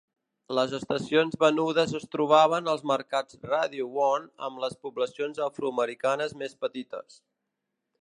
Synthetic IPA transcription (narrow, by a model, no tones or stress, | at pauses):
ləzəst̪əsionzβənuðəzəst̪ɾuβ̞aβənəlˠzməɾkad͡zraðiuwɔnə̰mləspubləsionzəfɾuəməɾikanəzmespət̪it̪ə̰s